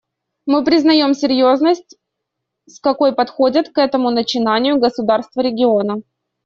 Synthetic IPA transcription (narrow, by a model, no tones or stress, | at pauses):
mɨpɾʲɪznɐjo̞msʲɪɾʲjo̞znəsʲtʲ | skɐko̞jpɐt̪xo̞dʲɪt̪kɛt̪əmʊnət͡ɕɪnanʲɪjʊɡəsʊd̪arst̪vəɾʲɪɡʲɪo̞nə